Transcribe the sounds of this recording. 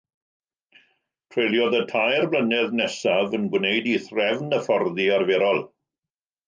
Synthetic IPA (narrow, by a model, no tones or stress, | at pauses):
pʰrelˠjɔðətʰajrblənɛðnɛsavənɡwnejdiθrɛvnəfɔrðiarveːɾɔlˠ